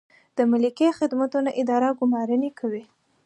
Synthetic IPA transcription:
d̪̥əmalikexɪd̪mat̪unaʔɪd̪ɑɾaɡʊmɑɾənekʰawi

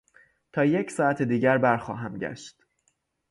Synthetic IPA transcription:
t̪ʰɒːje̞csɒːæt̪ʰed̪iːɟæɾbæɾxɒ̰ːɦæmɟæ̰ʃt̪

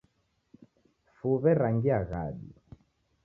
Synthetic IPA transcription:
fuβɛɾaŋɡiaɣa̰ɗi

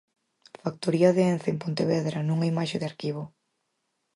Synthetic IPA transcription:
fak̚t̪oɾiɐðeenθempont̪eβɛðɾanũŋaimaʃeðeaɾkiβo

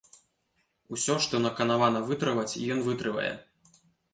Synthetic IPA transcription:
usʲɔʂt̪ɔnɐkɐnavanɐvɨt̪ɾɨvɐt͡sʲḭjɔnvɨt̪ɾɨvɐ̰jɛ̰

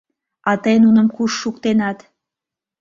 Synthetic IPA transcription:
ɑt̪əjnunə̆mkuʃːukt̪enɑt̪

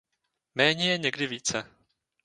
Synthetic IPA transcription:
mɛːɲɛjɛɲɛɡdɪviːt͡sɛ

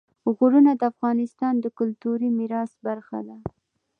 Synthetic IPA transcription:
ɣuɾunad̪əafɣɑnɪst̪ɑnd̪əkʊlt̪uɾimiɾɑsbaɾxa̰d̪a

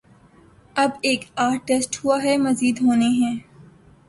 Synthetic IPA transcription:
ɐbeːkaːɾʈesʈɦuaɦɛmɐziːd̪ɦoːneɦɛ̃ː

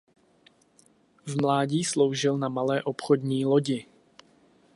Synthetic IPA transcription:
vmlaːɟiːslowʒɪlnamalɛːʔopxodɲiːloɟɪ

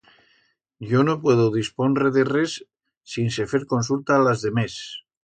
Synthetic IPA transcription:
ɟ͡ʝonopwe̞ð̞oðisponreðeresː | insefeɾko̞ns̬ult̪alazðe̞mes

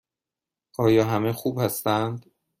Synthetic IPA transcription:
ʔɒːjɒːɦæmexuːbhæst̪ænd̪

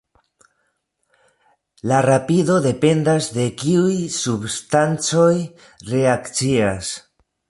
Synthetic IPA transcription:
laɾapido̞de̞pe̞ndasde̞kiujsubstant͡so̞j | re̞akt͡sias

